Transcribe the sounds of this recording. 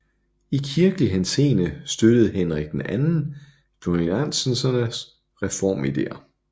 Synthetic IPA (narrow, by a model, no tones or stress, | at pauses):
ikʰiɐɡ̥əliɦense̝̰ːnəsd̥ød̥əð̞̩ˠhenʁaɡ̥̚d̥enænn̩ | d̥ʰonilæn̰sənsɐnəs | ʁɛfɒ̰ːmid̥e̝̰ːɐ